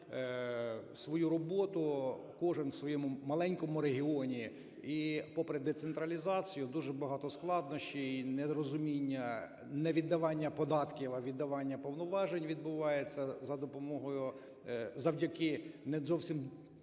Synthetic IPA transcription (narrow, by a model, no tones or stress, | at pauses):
sʋɔjuɾɔbɔt̪ʊ | kɔʒɪnsʋɔjɛmʊmɐlˠɛnʲkɔmʊɾeɦʲiɔnʲi | ipɔpɾed̪ɛt̪sent̪ɾɐlʲizɑt͡sʲijʊd̪uʒɛbɐɦɑt̪ɔsklˠɑd̪nɔʃt͡ʃiinɛd̪ɾɔzʊmʲinʲːɐ | nɛʋʲid̪ːɐʋɑnʲːɐpɔd̪ɑt̪kʲiʋɐʋʲid̪ːɐʋɑnʲːɐpɔwnɔʋɑʒenʲʋʲid̪̚bʊʋɑjet͡sʲːɐzɐd̪ɔpɔmɔɦɔjʊ | zɐwdʲɐkɪnɛzɔwsʲim